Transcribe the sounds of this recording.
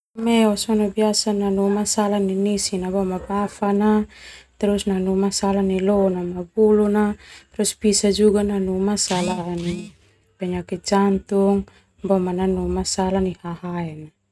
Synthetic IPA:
mɛɔsɔnabiasananumasalaninisinabɔmabafanat̪ɛɾusnanumasalanilɔnamabulunaɾɔspisad͡ʒuɡananumasalani | pɛɲakid͡ʒant̪uŋ | bɔmananumasalanihaɦaɛna

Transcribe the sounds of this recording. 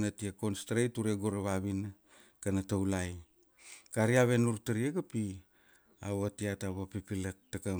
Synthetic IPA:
natiako̞nstɾejtuɾeɡoɾeβaβin | kanatawlaj | kaɾiaβe̞nuɾtaɾiekapi | a̰βatiataβapipilek̚taka

